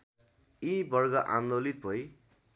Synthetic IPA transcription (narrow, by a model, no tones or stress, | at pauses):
ibʌrɡʌʔand̪olit̪̚bʱʌj